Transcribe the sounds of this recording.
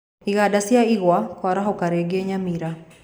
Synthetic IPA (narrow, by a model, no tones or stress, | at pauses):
iɣaɗasiaiɣwakɔɾaɦɔkaɾɛɡɛɲamiɾa